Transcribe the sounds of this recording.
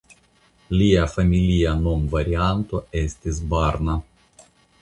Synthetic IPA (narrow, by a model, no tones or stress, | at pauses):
lʲiafamʲilʲijanomvaɾʲiant̪oesʲt̪ʲɪzbarna